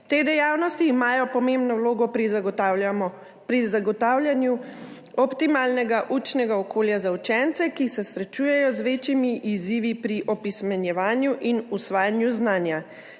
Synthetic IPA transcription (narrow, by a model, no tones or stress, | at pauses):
t̪eːd̪ɛjaːwnɔst̪iːmaːjɔpɔmembnɔwloːɡɔpɾi | pɾizaɡɔt̪aːwljanju | ɔpt̪imalnɛɡaʔut͡ʃnɛɡaɔkoːljazaut͡ʃɛnt̪sɛkisɛsɾɛt͡ʃuːjɛjɔzʋet͡ʃimiʔiziʋipɾiʔɔpismɛnjɛʋaːnjuʔinusʋaːjanjuznaːnja